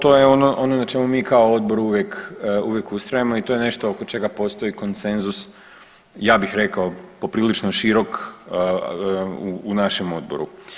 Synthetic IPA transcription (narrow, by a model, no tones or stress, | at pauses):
t̪o̞ːjeo̞noʔo̞nonat͡ʃe̞mumiːkaood̪̚bo̞ɾuʋjekuʋjekust̪ɾajemo̞it̪o̞ːje̞ne̞ʃt̪ookot͡ʃe̞ɡapo̞ːst̪o̞iko̞nse̞nzus | jaːbixɾe̞kaopo̞pɾiːlit͡ʃnoʃiɾo̞k | uːnaʃemo̞d̪̚bo̞̰ɾṵ